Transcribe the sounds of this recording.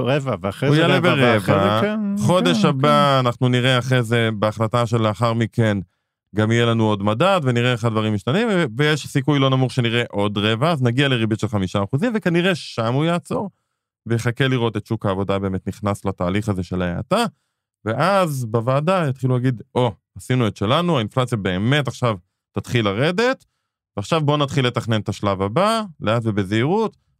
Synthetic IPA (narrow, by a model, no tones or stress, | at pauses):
ʁevaveujaleveʁevaχo̞d̪eʃabaːnaχnuniʁeaχʁezebeaχlataʃeleaχaʁmiken | ɡamijelanuo̞dmadadveniʁeaχad̪vaʁimːiʃt̪animvevejeʃsikujlo̞namuχʃe̞niʁeʔo̞dʁe̞vaːznaɡialeʁibitʃelχamiʃaːχuzimvekaniʁe̞ʃamujaːt͡so̞ʁ | vejeχakeliʁo̞tetʃukaːvo̞dabe̞ːme̞t̪niχnaslataːliχaze̞ʃe̞la̰a̰t̪a | ve̞ʔazbavaːdajat̪χilulaɡid̪ʔo̞ | asinuet̪ʃe̞lanuainflat͡sijabe̞ːme̞taχʃav | tat̪χilaʁe̞det | veaχʃavbo̞nat̪χile̞t̪aχne̞nt̪aʃlavabaleatvebezeiʁut